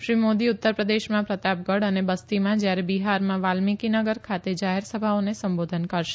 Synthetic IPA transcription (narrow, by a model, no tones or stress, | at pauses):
ʃɾimod̪iʊt̪ːəɾpɾəd̪eʃmãpɾət̪ap̚ɡəɽənebəst̪imãd͡ʒjaɾebiɦaɾmãʋalmikinəɡəɾkʰat̪ed͡ʒaɦeɾsəbʱaonesəmbod̪ʱənkəɾʃe̥